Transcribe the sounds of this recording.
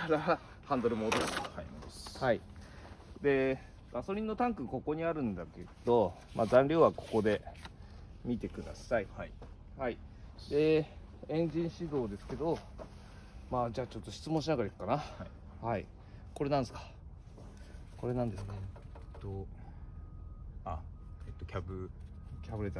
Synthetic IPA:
aɾa | hãnd̪oɾɯ̟moːd̪oɕt̪ashai | d̪e̞ | ɡaso̞ɾʲĩnːo̞t̪ãŋkɯ̟ko̞ko̞ɲ̟iaɾɯ̟̃nd̪ake̞d̪̥o̞ma̰ːzãnɾʲo̞ːβako̞̥ko̞d̪e̞ | mʲit̪e̞kɯ̟d̪a̰saii | haid̪e̞ | ẽ̞ɲ̟d͡ʑĩɰ̃ɕid̪o̞ːd̪e̞sɨ̥ke̞d̪o̞ | maːd͡ʑaːt͡ɕo̞t̪ːo̞ɕi̥t͡sɨmõɕinaɡaɾaikɯ̥kːana | haḭ | ko̞ɾe̞nãnd̪esɨ̥kḁ | ko̞ɾe̞nãnd̪esɨ̥kḁt̪o | aet̪ːokʲabɯ̟kʲabɯ̟ɾet̪

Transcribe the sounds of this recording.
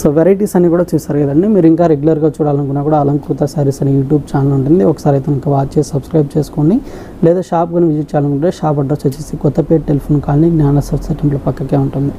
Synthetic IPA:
soːʋeɾɐjʈiːsɐnːiːkuːɽaːt͡ʃuːsɐɾɡɐd̪ɐnːimiːɾuiŋkaːɾeɡulɐɾɡaːt͡ʃuːɽaːlɐnkunːaːkuːɽaːlɐŋkɾut̪ɐsɐːɾisɐnijuːʈjuːbt͡ʃaːnɐluɳʈund̪iɔkːɐ̥saːɾiɐjt̪eniŋkɐʋaːt͡ʃt͡ʃeːsisɐbskɾɐjb̚t͡ʃeːsu̥koni | lɛːd̪aːʃaːp̚ɡɐniʋid͡ʒit͡ʃːaːlɐnkuɳʈːeːʃaːp̬ɐɖɾɐt͡ʃɐt͡ʃːisikɔt̪ːɐpeːɾʈelpʰoːnkaːlniɡnaːnɐsɐbsɐʈemʈloːpɐkːɐkeːuɳʈund̪i

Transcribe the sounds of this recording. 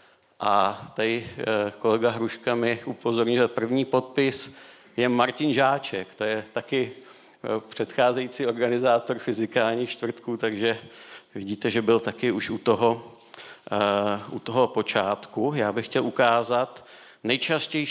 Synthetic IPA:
ʔat̪aɪko̞lɛɡaɦɾuʃkamɪʔupo̞zo̞ɾɲʊɛpr̩vɲiːpo̞t̪̚pɪs | jɛmaɾcɪnʒaːt͡ʃɛkt̪o̞jɛt̪akɪ | pr̝̥ɛt̪xaːzɛjit͡siːo̞ɾɡanɪzaːt̪o̞ɾfɪzɪkaːlɲiːxt͡ʃt̪vr̩t̪kuːt̪aɡʒɛvɪɟiːt̪ɛʒɛbɪlt̪akɪuʃut̪oɦo | ʔut̪oɦo̞po̞t͡ʃaːt̪kujaːbɪxcɛlʔukaːzat̪ | nɛjt͡ʃascɛj

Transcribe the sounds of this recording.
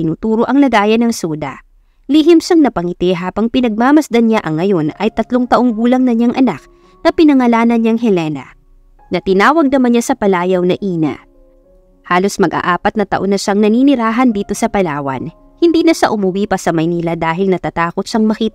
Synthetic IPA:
ɪnuːt̪uːɾo̞ʔɐŋlɐɡaːjɐnɐŋsuːd̪ɐ̰ | lihɪmʃaŋnɐpɐŋɪt̪ɛɦaːbɐŋpɪnɐɡ̚maːmɐsd̪ɐnaʔɐŋːɐjo̞nɐjt̪ɐt̪loŋt̪ɐʔo̞ŋɡuːlɐŋnɐɲaŋʔɐnak̚ | nɐpɪnɐŋɐlaːnɐnɲaŋɦɛlɛnɐ̰ | nɐt̪ɪnaːwɐɡ̚nɐmɐnɲasɐpɐlaːjɐwnɐʔiːnɐ̰ | haːlo̞smɐɡʔa̰ʔaːpɐt̪nɐt̪ɐ̰ʔo̞nɐʃaŋnɐninɪɾaːɦɐnd̪iːt̪o̞sɐpɐlaːwɐ̰n | hɪnd̪iːnɐʃaʔʊmʊwiːpɐsɐmɐjniːlɐd̪aːɦɪlnɐt̪at̪aːko̞t̪ʃɐŋmɐkiːt̪

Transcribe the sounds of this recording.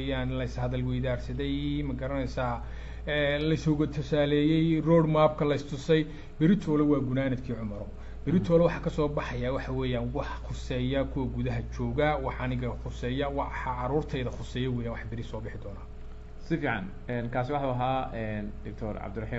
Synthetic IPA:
jaːnlɐɪshɐðɐlwɛjðaːrsɐðɛjmɐɡɐɾɐnɛjsaː | ɛːlɐɪsɔɣɐt̪ʰʊsaːlɛːjɛjrɔːɽmaːb̚kʰɐlɐɪst̪ʰʊsɛj | bɪɾɪt̪ʰɔːlɛwɑːɡʊnaːnɐd̪kʰiːʕʊmɐɾɔ | b̥ɪɾɪt̪ʰɔːlɛwɑħɑːkʰɐsɔːbɑħɑjawɑħɑwɛːjaːnwɑħχʊsɛːjɐkʰʊwɐɡuðɐɦɐt͡ʃɔːɣɐwɑħɐnɪɣɐχʊsɛːjɐwɑħɑʕɑɾuːrt̪ʰɛjðɐxʊsɛːjɐwɛːjaːnwɑħbɪɾɪsɔːbɪħɪd̪ɔːnaː | sɪfiːʕɑ̰n | ɛnkʰaːsɪwɑħɑuɐɦaːɛndɪk̚t̪ʰɔɾʕɑ̰b̚d̪ʊrɑħiː

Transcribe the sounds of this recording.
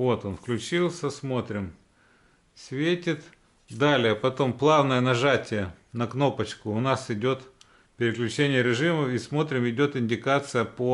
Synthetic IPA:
vo̞t̪onfklʲʉt͡ɕilˠsʲəsmo̞t̪ɾʲɪm | sʲvʲetʲɪt̪ | d̪alʲɪjəpɐt̪o̞mplˠavnəjənɐʐatʲɪjənɐkno̞pət͡ɕkʊʊnasɪdʲo̞t̪ | pʲɪɾʲɪklʲʉt͡ɕenʲɪjəɾʲɪʐɨməismo̞t̪ɾʲɪmɪdʲo̞t̪ɪnʲdʲɪkat̪sɨjəpo

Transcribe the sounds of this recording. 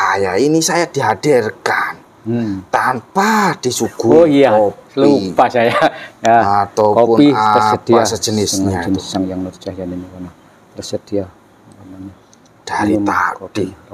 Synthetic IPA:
ajainisajad̪̥iɦad̥irkan | t̪ampad̪̥isuɡ̥uojalupasajajaat̪okoʊnpiəsəd̪̥iasəd͡ʒənɪsd͡ʒənɪsaŋjaŋnurt͡ʃahjaninikana | t̪əsəd̪̥ia | kanana | d̥aɾiuma̰kobi

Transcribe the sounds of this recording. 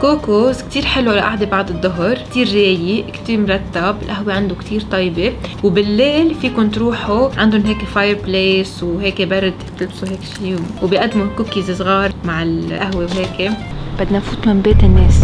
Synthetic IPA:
koːkozkt̪iːɾħɪlwʔalaʔaʕd̪ebɑʕd̪ˤɨd̪ˤːʊɦɾkt̪iːɾːeːjikt̪iːɾmɾˤɑt̪ːabɪlʔaɦweʕand̪okt̪ʰiːɾt̪ˤɑːjbewbɪlːeːlfiːkʊnt̪ɾuːħuʕand̪ʊnɦeːkefajəɾpleːswɦeːkebɑɾˤɪd̪t̪ɪlbsuɦeːkʃiːwbiʔad̪ːmukuːkːiːzɪsɣɑːɾˤmaʕɪlʔaɦwewɦeːkeb̥ad̪ːnafuːt̪mambeːt̪ɪnːeːs

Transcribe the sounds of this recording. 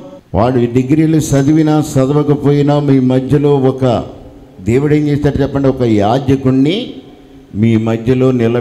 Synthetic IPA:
ʋʔaːɭːuɖeɡɾiːlusɐd̪iʋinasɐd̪ɐʋɐkɐpo̞ːjinɐmiːmɐd̪ʱjɐlo̞ːɔkɐ̰ | d̪eːʋiɽɐnt͡ʃeːst̪aːʈut͡ʃɛpːɐɳɖiɔkɐjaːdjɐkuɳːi | miːmɐd̪ʱjɐlo̞ːnilɐ

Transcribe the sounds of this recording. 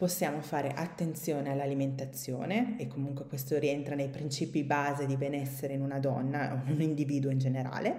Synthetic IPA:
posːjaːmofaːɾeʔat̪ːent̪sjoːnealːaliment̪at̪sːjo̰ːneekːomuŋkwekwest̪oɾient̪ɾanejpɾint͡ʃiːpibaːzed̪ibenɛsːeɾeinunad̪ɔnːaonunind̪iviːd̪uoind͡ʒeneɾa̰ːle

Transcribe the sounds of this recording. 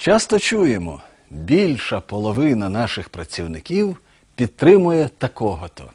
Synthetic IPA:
t͡ʃɑst̪ɔt͡ʃujemɔ̰ | bʲilʲʃɐpɔlˠɔʋɪnɐnɑʃɪxpɾɐt͡sʲiwnɪkʲiw | pʲid̪̚t̪ɾɪmʊjɛt̪ɐkɔɦɔt̪ɔ̰

